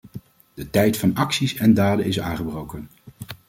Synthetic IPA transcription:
d̥ətɛjtfɑnɑksisɛndaːdənɪs̬a̰ːŋχəbrowkən

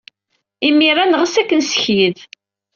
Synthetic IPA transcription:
imirˤanʁəsækːənsə̥çið

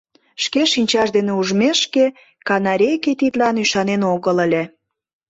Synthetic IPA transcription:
ʃkeʃinʲt͡ɕɑʃd̪eneuʒmeʃke | kɑnɑɾʲejket̪it̪lɑnyʃɑnenoɣələlʲĕ

